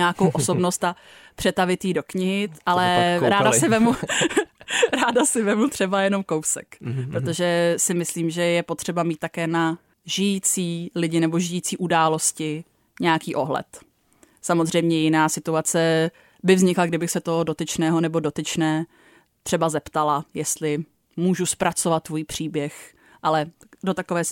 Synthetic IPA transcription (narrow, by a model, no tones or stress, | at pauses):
ɛaakowʔoso̞bno̞st̪apr̥ɛt̪avɪt̪jido̞kɲɪɦɪʔalɛɾaːdasɪvɛmu | ɾaːdasɪvɛmut̪r̥ɛbajɛno̞mkowsɛ̰kpɾot̪o̞ʒɛsɪmɪsliːmʒɛjɛpo̞t̪r̝̥ɛbamit̪ːakɛːna | ʒɪjiːt͡siːlɪɟɪnɛbo̞ʒɪjiːt͡siːʔudaːlo̞scɪ | ɲɛjakiːʔo̞ɦlɛ̰t̪ | samozr̝ɛjmɲɛjɪnaːsɪt̪uat͡sɛ | bɪvzɲɪklaɡdɪbɪxsɛt̪oɦodo̞t̪ɪt͡ʃnɛːɦo̞nɛbo̞do̞t̪ɪt͡ʃnɛː | t̪r̥ɛbazɛpt̪alajɛst̪lɪ | muːʒuspɾat͡sovat̪̚ːvujipr̝̥iːbjɛx | ʔalɛdo̞t̪akovɛː